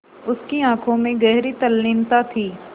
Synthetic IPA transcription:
ʊskiãːkʰõmẽɡɛɦɾit̪ɐlːɪːnt̪at̪ʰiː

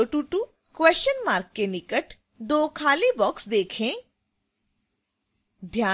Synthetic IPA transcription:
ʈuːʈuː | kwɛːst͡ʃənmaːɾkːenɪkəʈ | d̪oːkʰaːlibɔːksd̪eːkʰẽː | d̪ʱjaː

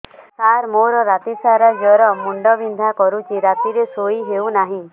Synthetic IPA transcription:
saɾmoɾɔɾat̪isaɾad͡ʒɔɾɔmuɳɖɔbind̪ʱakɔɾut͡ʃʰiɾat̪iɾesoiɦewnaɦĩ

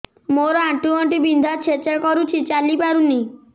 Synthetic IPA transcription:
moɾoãʈuɔɳʈibind̪ʱat͡ɕʰet͡ʃaɾkɔɾut͡ʃʰit͡ɕalipaɾuni

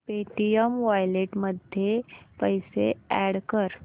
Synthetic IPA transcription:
peʈijəmʋajleʈməd̪ʱjepəjseæɽkəɾ

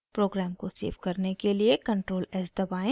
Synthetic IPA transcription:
pɾoːɡɾɛːmkosḛːʋkɐɾnekeliekɐ̃ɳʈɾoːlɛːsd̪ɐbaːẽ

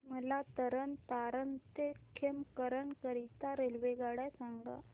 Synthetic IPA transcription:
məlat̪əɾənt̪aɾənt̪ekʰemkəɾəɳkəɾit̪aɾelʋeɡaɽajsaŋɡa̰

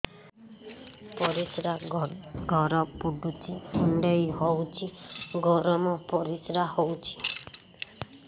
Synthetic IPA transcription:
pɔɾisɾaɡʱɔɾɔpuɖut͡ʃʰihuɳɖɔjɦowt͡ʃʰiɡɔɾɔmɔpɔɾisɾahowt͡ʃʰi̥

